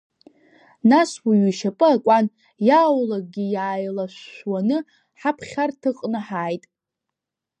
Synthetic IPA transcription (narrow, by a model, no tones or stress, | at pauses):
naswiɥiʃapʼɨakʷʼan | jaːwlaɡ̚ɡʲijaːjlaʃʷwanɨ | ħapʰχʲartʰɨqʼnɨħaːjtʼ